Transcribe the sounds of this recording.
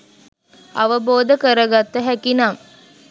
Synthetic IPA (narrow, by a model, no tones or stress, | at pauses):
ɐ̰ʋəboːd̪əkəɾəɡat̪ːəɦækinam